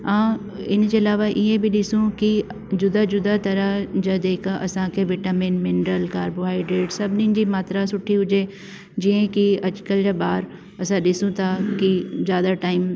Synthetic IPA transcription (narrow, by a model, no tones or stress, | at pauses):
ãː | ɪnd͡ʑeːɐlaːʋaʔiẽbɪɗɪsũki | d͡ʑʊd̪ad͡ʑʊd̪at̪ɐɾəɦd͡ʑaːd̪eːkʔɐsãkʰeːʋɪʈaːmɪ̃nmɪɳɖɾəlkaːɾboɦaːiɖɾeːʈsɐbʱɪninɪ̆d͡ʑiːmaːt̪ɾasʊʈʰiɦʊd͡ʑe | d͡ʑiə̃kiɐt͡ɕkəld͡ʑaːɓaːɾ | ɐsãɗɪsũt̪ʰakizjaːd̪aʈaːɪm